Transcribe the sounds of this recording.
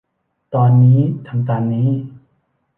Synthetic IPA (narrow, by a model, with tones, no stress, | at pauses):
t̪ɔː˧nːiː˦˥t̪ʰa˧mt̪aː˧nːiː˦˥